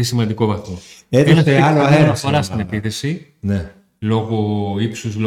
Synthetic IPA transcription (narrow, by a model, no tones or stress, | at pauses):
isimɐnd̪iko̞vɐθoet̪onet̪eɐloeɐsfoɾɐst̪inepiθe̞sine̞ | lo̞ɣoipsuzlo